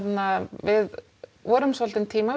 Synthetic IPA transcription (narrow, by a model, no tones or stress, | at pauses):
t̪navɪð | ɔːɾʏmsɔlt̪ɪnt̪ʰiːma